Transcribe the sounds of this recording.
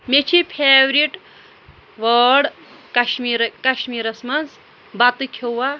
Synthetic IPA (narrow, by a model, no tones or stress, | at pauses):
met͡ʃʰipʰeːʋɾiʈ | ʋɐːɖkɐʃmiɾkɐʃmiːɾɐsmɐnd͡z | bat̪ɨkʰewwa